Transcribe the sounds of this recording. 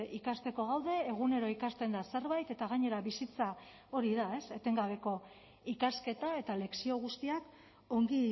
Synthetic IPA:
ikast̪e̞ko̞ɣ̞awðe̞ːɣ̞une̞ɾo̞ikast̪e̞nd̪ase̞ɾβajt̪e̞t̪aɣ̞aɲe̞ɾaβisit͡sa | o̞ɾiðae̞se̞t̪e̞ŋɡaβ̞e̞ko̞ | ikaske̞t̪ae̞t̪ale̞ksio̞ɣ̞ust̪iak | o̞ŋɡi

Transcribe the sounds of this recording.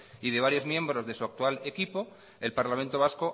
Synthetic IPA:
ið̞e̞β̞aɾjo̞zmjẽ̞mbɾo̞zðe̞suak̚t̪uale̞kipo̞ | e̞lpaɾlament̪o̞βasko̞

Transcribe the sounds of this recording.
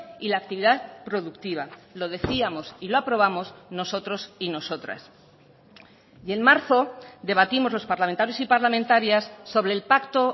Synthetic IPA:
ilaːk̚t̪iβiðaðpɾo̞ðukt̪iβalo̞ð̞e̞θiamo̞siloapɾo̞β̞amo̞zno̞so̞t̪ɾo̞sino̞so̞t̪ɾa̰s | je̞nmaɾθo̞d̪e̞βat̪imo̞zlospaɾlament̪aɾjo̞sipaɾlamẽnt̪aɾjasːo̞β̞ɾe̞ːlpakt̪o̞

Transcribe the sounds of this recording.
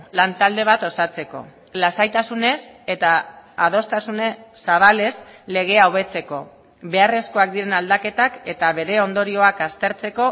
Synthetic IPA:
lant̪ald̪e̞β̞at̪o̞sat͡se̞ko̞̰ | lasajt̪asune̞se̞t̪aːð̞o̞st̪asunesːaβ̞ale̞sle̞ɣ̞e̞awβe̞t͡se̞ko̞ | βe̞are̞sko̞ak̚d̪iɾe̞nald̪ake̞t̪ake̞t̪aβe̞ɾe̞o̞nd̪o̞ɾio̞akast̪e̞ɾt͡se̞ko̞

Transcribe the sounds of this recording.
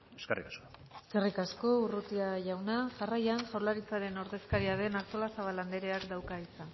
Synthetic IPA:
eskerḭkaskoeskerikasko̞urut̪iaʝawnaʝarajanʝawlaɾit͡saɾe̞no̞ɾðe̞skaɾiað̞e̞nakt̪olasaβaland̪eɾe̞akd̪awkaisan

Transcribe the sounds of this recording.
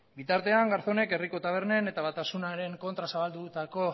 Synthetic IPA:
bit̪aɾt̪e̞aŋɡaɾθo̞ne̞ke̞riko̞t̪aβ̞e̞ɾne̞ne̞t̪aβat̪asunaɾe̞ŋko̞nt̪ɾasaβald̪ut̪ako̞

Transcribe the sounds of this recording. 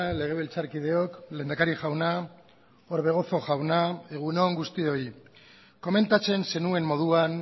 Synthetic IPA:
ale̞ɣ̞e̞β̞ilt͡saɾkið̞e̞o̞kle̞ːnd̪akaɾiʝawna | o̞ɾβe̞ɣ̞o̞θo̞ʝawnae̞ɣ̞uno̞ŋɡust̪io̞i | ko̞me̞nt̪at͡se̞nse̞nue̞mːo̞ð̞uan

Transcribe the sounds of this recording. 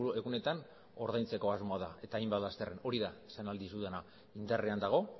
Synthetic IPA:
e̞ɣune̞t̪an | o̞ɾð̞ajnt͡se̞ko̞azmo̞aðae̞t̪aːjmbat̪last̪ereno̞ɾiðasanald̪isuðena | ind̪areand̪aɣ̞o̞

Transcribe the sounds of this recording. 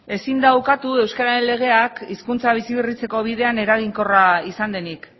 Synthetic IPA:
e̞sind̪awkat̪ue̞wskaɾaɾe̞nle̞ɣ̞e̞akiskunt͡saβ̞isiβirit͡se̞ko̞β̞iðe̞ane̞ɾaɣiŋko̞raisand̪e̞nik

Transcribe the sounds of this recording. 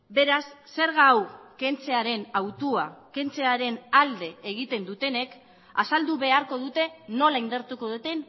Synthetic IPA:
be̞ɾasːe̞ɾɣawke̞nt͡se̞aɾe̞nawt̪uake̞nt͡se̞aɾe̞nald̪e̞ːɣ̞it̪e̞nd̪ut̪e̞ne̞k | asald̪uβe̞aɾko̞ðut̪e̞no̞laind̪eɾt̪uko̞ðut̪e̞n

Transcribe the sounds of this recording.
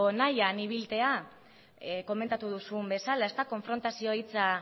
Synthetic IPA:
najaniβ̞ilt̪e̞a | ko̞me̞nt̪at̪uðusumbe̞salae̞st̪ako̞ɱfɾo̞nt̪asio̞it͡sa

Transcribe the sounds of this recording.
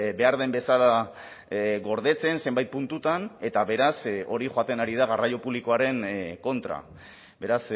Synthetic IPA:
be̞aɾð̞e̞mbe̞sala | ɣo̞ɾðe̞t͡se̞nse̞mbajt̪̚punt̪ut̪ane̞t̪aβe̞ɾaso̞ɾixoat̪e̞naɾiðaɣarajo̞puβliko̞aɾe̞ŋko̞nt̪ɾa̰ | be̞ɾas

